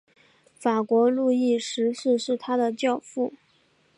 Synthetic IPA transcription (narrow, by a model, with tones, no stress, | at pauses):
fa˨˩kwɔ˧˥lu˥˧i˥˩ʂɻ̩˧˥ʂɻ̩˥˧ʂɻ̩˥˩t̪ʰa˥d̪ə˨t͡ɕjɑ˥˧ʊfu˥˩